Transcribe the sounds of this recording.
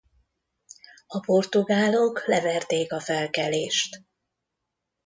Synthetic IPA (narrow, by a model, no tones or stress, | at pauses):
ɒpo̞rt̪uɡaːlo̞klɛvɛrt̪eːkɒfɛlkɛleːʃt̪